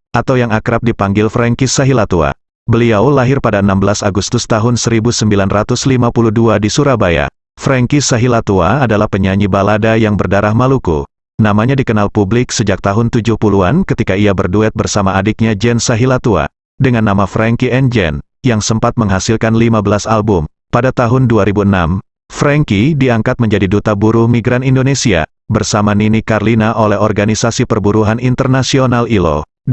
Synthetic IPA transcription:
ʔat̪awjaŋakɾap̚dipaŋɡɪlfɾɛŋkisaɦilat̪ua̰ | bəliawlaɦɪrpadaənambəlasaɡust̪ʊst̪aɦʊnsəɾibusəmbilanrat̪ʊslimapuluhduadisuɾabaja̰ | fɾɛŋkisaɦilat̪uaːdalahpəɲaɲibaladajaŋbərdaɾahmalukṵ | namaɲadikənalpublɪksəd͡ʒak̚t̪aɦʊnt̪ud͡ʒʊhpuluankət̪ikaiabərduɛt̪̚bərsamaːdik̚ɲad͡ʒɛnsaɦilat̪ua̰ | dəŋanːamafɾaŋkiɛnd͡ʒɛ̰n | jaŋsəmpat̪̚məŋɦasɪlkanlimabəlasalbʊm | padat̪aɦʊnduaɾibuənam | fɾaŋkidiaŋkat̪̚məɲd͡ʒadidut̪abuɾʊhmiɡɾanindonesia̰ | bərsamaninikarlinaʔolɛɦɔrɡanisasipərbuɾuɦanint̪ərnasionalilo̰

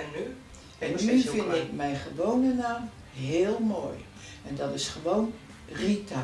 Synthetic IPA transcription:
ɛnːyfɪndɪkmɛjnχəʋownənaːm | ɦɪːlˠmoːj | ɛndɔtɪsχəʋoːn | rita

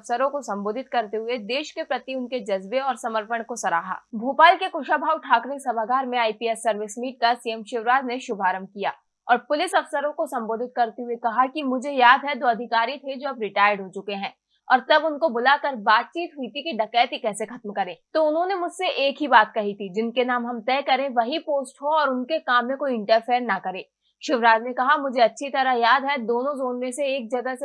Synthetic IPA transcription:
fsəɾõkosɐ̃mboːd̪ʱɪt̪̚kɐɾt̪eɦʊed̪eːʃkepɾɐt̪iʊnked͡ʒɐzbeɔːɾsɐməɾpəɽ̃kosɐɾa̰ːɦa̰ːbʱuːpaːlkekʊʃabʱaːwʈʰaːkɾɪksɐbaɡaːɾmẽaːipiɛsːɐɾʋɪsmiːʈ̚kasiɛmʃɪʋɾaːd͡ʒneʃʊbʱaːɾəmkija̰ː | ɔːɾpʊlɪsɐfsəɾõkosɐ̃mboːd̪ʱɪt̪̚kɐɾt̪eɦuekɐɦakimʊd͡ʒʱejaːd̪ʱɦɛd̪oːɐd̪ʱɪkaːɾit̪ʰed͡ʒoːɐbɾɪʈaːjəɾɖɦot͡ʃʊkeɦɛ̃ː | ɔːɾt̪ɐbʊnkobʊlakɐɾbaːt̪̚t͡ʃiːt̪ɦuit̪ʰikiɖɐkɛːt̪ikɛːsexʰɐt̪mkɐɾẽːt̪oʊnɦõnemʊd͡ʒʱseʔeːkɦibaːt̪kɐɦit̪ʰid͡ʒɪnkenaːmɦɐmt̪ɛːkɐɾẽʋɐɦipoːsʈɦoɔːɾʊnkekaːmːẽkoːiɪ̃ɳʈəɾpʰeːəɾnɐkɐɾẽː | ʃɪʋɾaːd͡ʒnekɐɦamʊd͡ʒʱeɐtːʃʰit̪ɐɾajaːd̪ɦɛd̪oːnõzoːnmẽseeːk̚d͡ʒɐɡəse

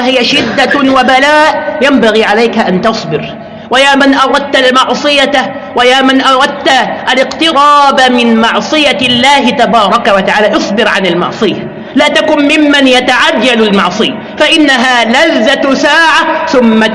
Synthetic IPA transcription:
aɦɪjaʃɪd̪ːawabalaːʔjambaɣiːʕalajkaʔant̪ɑsˤbɪɾ | wajaːmanʔɑɾˤɑd̪̚t̪almɑʕsˤɨja | wajaːmanʔɑɾˤɑd̪̚t̪aʔalɪqt̪ɪɾɑːbamɪnmɑʕsˤɨjalːaːɦɪt̪abɑːɾˤɑkawat̪aʕaːlaːʔɨsˤbɪɾʕanɪlmɑ̰ʕsˤɨja | laːt̪akʊnmɪmːanjat̪aʕad͡ʒːalalmɑʕsˤɨja | faʔɪnːaɦaːlaðːasaːʕaθʊmːa

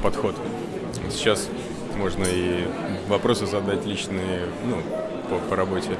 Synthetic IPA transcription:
pɐt̪xo̞t̪ | o̰t̪sʲt͡ɕːas | mo̞ʐnəi | vɐpɾo̞sɨzɐd̪atʲlʲit͡ɕnɨjɪ | nu | pəpəɾɐbo̞tʲɪ

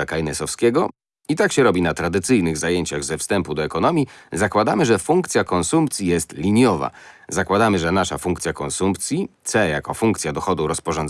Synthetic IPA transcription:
akajnɛsɔfskʲeɡɔ | it̪akɕɛɾɔbʲinat̪ɾad̪ɘt̪sɘjnɘɣzajeɲt͡ɕaɣzɛfst̪ɛmpud̪ɔɛkɔnɔmʲjizakwad̪amɘʐɛfuŋkt̪sʲjakɔnsumpt̪sʲjijɛst̪lʲiɲjɔva̰zakwad̪amɘʐɛnaʂafuŋkt̪sʲjakɔnsumpt̪sʲjit̪sɛjakɔfuŋkt̪sʲjad̪ɔxɔd̪uɾɔspɔʐɔn

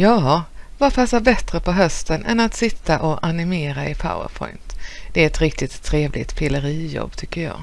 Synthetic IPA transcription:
jɑːvapʰasabɛt̪ɾəpʰɔɦœst̪ənʔɛ̰nat̪sɪt̪ːaʔɔʔanɪmeːɾaɪpʰa̰ʊə̰ɾpʰɔ̰ʏnt̪d̪̥ɛæɾɛt̪ɾɪk̚t̪ɪt̪ʰːɾeːvlɪ̰t̪pʰɪləɾiːjɔ̰bːt̪ʰʏkːəɾjɑ̰ː

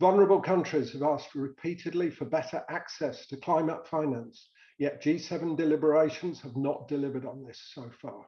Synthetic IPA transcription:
vʌlˠnə˞əbəlˠkʰʌ̃nt͡ʃɹ̥ɪz̥əvɑˑstɹɪpʰiˑtʰɪdˡlifəbɛtəɹʔaksɛstʰəkʰl̥ãɪ̃mətfãɪ̃næ̃ns | jɛʔ̚d̥ʒ̥iːsɛvə̃ndɪlɪbəɹeɪʃə̃nz̥əvnəʔd̥ɪlɪvədn̩ðɪsoʊfɑː

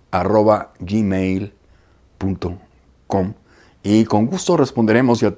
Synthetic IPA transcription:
aro̞βaʝimejl | punt̪o | ko̞m | iko̞ŋɡust̪o̞re̞spond̪e̞ɾe̞mo̞sja

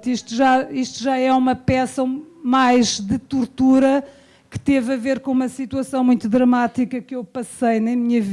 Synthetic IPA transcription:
t̪iʃt̪uʒaiʃt̪uʒaɛumɐpɛsɐmajʒd̪ɨt̪uɾt̪uɾɐ | kɨ̥t̪evɐveɾkõumɐsit̪wɐsɐ̃w̃mũj̃t̪uðɾɐmat̪ikɐkewpɐsɐjnɐmiɲɐv

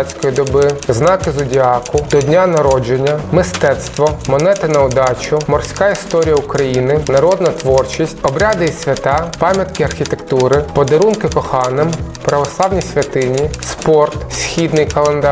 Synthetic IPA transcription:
t͡sʲkɔjid̪ɔbɪznɑkɪzʊdʲiɑkʊd̪̥ɔdʲnʲanɐɾɔd͡ʒenʲːɐmɪst̪ɛt̪st̪ʋɔmɔnɛt̪ɪnɐʊd̪ɑt͡ʃʊmɔrsʲkɑist̪ɔɾʲijɐʊkɾɐjinɪnɐɾɔd̪nɐt̪ʋɔrt͡ʃisʲtʲɔbɾʲad̪ɪisʲʋʲɐt̪ɑpɑmʲjɐt̪kɪɐrxʲit̪ekt̪uɾɪpɔd̪ɐɾunkɪpɔxɑnɪmpɾɐʋɔslˠɑwnʲijsʲʋʲɐt̪ɪnʲispɔrt̪sʲxʲid̪nɪjkɐlˠend̪ɑ

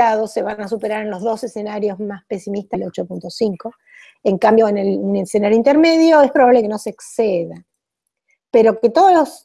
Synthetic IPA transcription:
aðose̞βanas̬upe̞ɾaɾenlo̞ɦðo̞sesenaɾjo̞zmaspe̞simist̪alo̞t͡ʃo̞punt̪o̞siŋko̞ | eŋkambjo̞enelnesenaɾjoint̪e̞ɾme̞ðjo̞espɾo̞βaβlekeno̞seːkseða | peɾo̞ket̪oð̞olo̞s

